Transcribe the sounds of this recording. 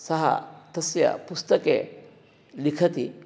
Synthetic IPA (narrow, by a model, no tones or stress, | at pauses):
sɐɦa̰t̪ɐsja̰pust̪ɐke | likʰɐt̪i